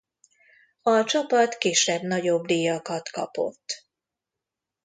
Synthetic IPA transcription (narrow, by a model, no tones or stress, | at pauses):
ɒt͡ʃɒpɒt̪kiːʃɛbnɒɟo̞bd̪iːjɒkɒt̪kɒ̰po̞̰t̪ː